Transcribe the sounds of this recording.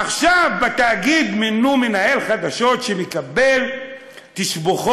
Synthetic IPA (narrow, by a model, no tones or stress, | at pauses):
aχʃavbat̪aːɡid̪minumenae̞lχad̪aʃo̞tʃemekabe̞l | t̪iʃboχ